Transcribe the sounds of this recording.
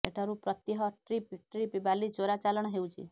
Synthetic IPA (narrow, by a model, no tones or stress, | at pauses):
eʈʰaɾupɾɔt̪jiɦɔʈɾipʈɾipibalid͡ʒoɾat͡ʃalɔɽ̃ɔɦewt͡ʃʰḭ